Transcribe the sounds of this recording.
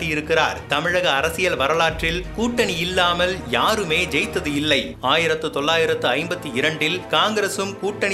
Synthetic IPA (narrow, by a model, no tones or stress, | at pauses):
ijɪɾɯkːɪra̰ːɾt̪ɐmɪɻɐɣɐːɾɐsɪjɐlʋɐɾɐlaːʈrɪlkuːʈːɐɳiɪlːaːmɐljaːɾɯmeːd͡ʒɛjt̪ːɐðɯɪlːɐɪ | aːjɪɾɐt̪ːɯt̪ɔɭːaːjɪɾɐt̪ːɯɐɪmbɐt̪ːiɪɾɐɳɖɪlkaːŋɡɪɾɐsɯmkuːʈːɐɳ